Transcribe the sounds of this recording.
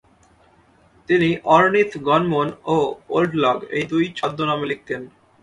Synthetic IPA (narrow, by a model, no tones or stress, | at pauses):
t̪iniʔɔɾnit̪ʰɡɔnmonoo̰lɖlɔɡḛjd̪ujt͡ɕɔd̪ʱːonamelik̚t̪en